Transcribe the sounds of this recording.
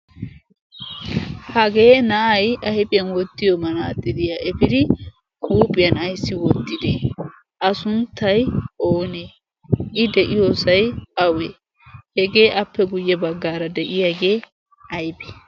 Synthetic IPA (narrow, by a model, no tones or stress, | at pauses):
hɐɡe̞ːnɐʔɐjʔɐjpʼɪjɐnwɔt̪ːɪjɔmɐnaːt̪ʼːɪd̪ɪjaʔɛpɪd̪ɪ | kuːpʼːɪjɐnɐjsːɪwɔt̪ːɪd̪e | ʔɐsʊnt̪ʰːɐjʔoːneː | ʔɪd̪ɛʔɪjoːsɐjɐwe | hɛɡe̞ːʔɐpːɛɡʊjːɛbɐɡːaːɾɐd̪ɛʔɪjaːɡe̞ː | ɐjpʼɛ̥